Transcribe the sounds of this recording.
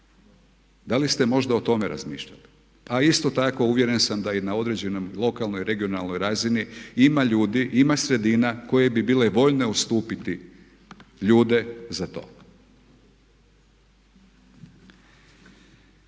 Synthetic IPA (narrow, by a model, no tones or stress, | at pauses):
d̪alist̪e̞mo̞ʒd̪aot̪o̞meɾa̰zmḭːʃʎa̰li̥ | aist̪o̞t̪ako̞uʋje̞ɾe̞nsamd̪ainao̞d̪ɾe̞d͡ʑe̞nomlˠo̞kalnojiɾe̞ɡionalˠno̞jɾaziniimaʎuːd̪iʔimasɾe̞d̪inako̞je̞bibiːle̞ʋo̞ʎne̞ust̪uːpit̪i | ʎuːd̪e̞zat̪o̰ː